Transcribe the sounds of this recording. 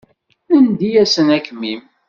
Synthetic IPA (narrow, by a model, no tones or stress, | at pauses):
ənd̪ijæsənækmim